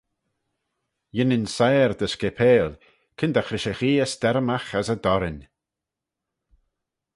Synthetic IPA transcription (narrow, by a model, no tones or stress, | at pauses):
jɪnɪnsajɾd̪əskɛpʰeːl | kʰɪnd̪axɾɪʃəxiːəst̪ɛɾmaxasəd̪ɔɾɪnʲ